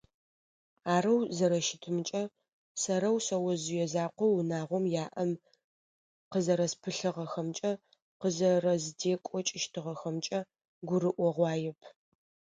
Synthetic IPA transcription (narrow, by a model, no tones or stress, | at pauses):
aːɾɐwzɐɾɐʃɪtʰɨmt͡ʃʼɐ | sɐɾɐwsɐwɐzɪjɛzaːqʷɔwnaːʁʷɔmjaːʔɐm | qəzɐɾɐspʰɨɬɨʁɐxɐmt͡ʃʼɐ | qəzɐrɐzdeːkʷʼɔt͡ʃʼɪʃtʰɨʁɐxɐmt͡ʃʼɐ | ɡʷʊɾɨʔʷɔʁʷɑːjɛpʰ